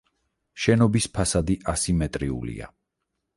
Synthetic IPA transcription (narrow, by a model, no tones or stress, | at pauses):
ʃɛnɔbispʰasad̪iʔasimɛt̪ʼɾiṵlḭa̰